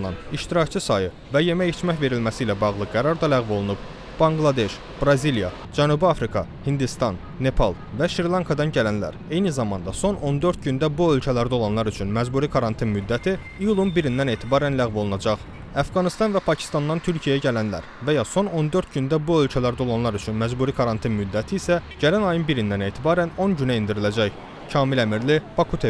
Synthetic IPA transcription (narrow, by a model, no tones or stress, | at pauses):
ɑ̰niʃt̪iɾɑct͡ʃʰɯsɑjɯ | væje̞mæjit͡ʃʰmæçve̞ɾilmæsiːlæbɑɣlˠɯɡæɾɑɾd̪ɑlæɣvo̞lˠunub̥ | b̥ɑŋɡlˠɑd̪e̞ʃ | b̥ɾɑziljɑ̰ | d͡ʒænubiɑfɾikʰɑ | hind̪ist̪ɑnːe̞pʰɑ̰lˠvæʃɾiɾlˠɑŋkʰɑd̪ɑnɟælænlæ̰ɾe̞jnizɑmɑnd̪ɑso̞no̞nd̪ø̞ɾt̪̚ɟynd̪æbuø̞lcʰælæɾd̪o̞lˠɑnlˠɑɾyt͡ʃʰynmæzbuɾikʰɑɾɑnt̪ʰinmyd̪ːæt̪ʰi | ijulˠunbiɾind̪æne̞ːt̪ʰibɑːɾænlæɣvo̞lˠnɑd͡ʒɑχ | æfɡɑnist̪ɑnvæpʰɑcʰi̥st̪ɑnd̪ɑnt̪ʰyɾcʰijæɟælænlæ̰ɾvæjɑso̞no̞nd̪øɾt̪ɟynd̪æbuø̞lcʰælæɾd̪æo̞lˠɑnlˠɑɾyt͡ʃʰynmæzbuːɾikʰɑɾɑnt̪ʰinmyd̪ːæt̪ʰiːsæɟælænɑjɯnbiɾind̪æne̞ːt̪ʰibɑːɾæno̞nɟynæind̪iɾilæd͡ʒæç | cʰɑːmilæmiɾlibɑkʰut̪ʰe